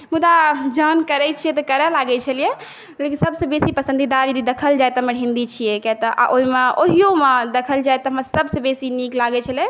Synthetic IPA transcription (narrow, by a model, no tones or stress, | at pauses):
mud̪ad͡ʒənkəɾɛt͡ʃʰijɛt̪ɔkəɾɛlaɡɛt͡ʃʰəlije | lekisəbsə̃besipəsə̃nd̪id̪aɾd͡ʒəd̪id̪ekʰəld͡ʒajt̪ɔɦməɦĩnd̪it͡ʃʰijekɛt̪ɔʔa̰ʔoɦimeoɦijomed̪ekʰəld͡ʒajt̪ɔɦəmɾsəbsẽbesiniklaɡɛt͡ʃʰəle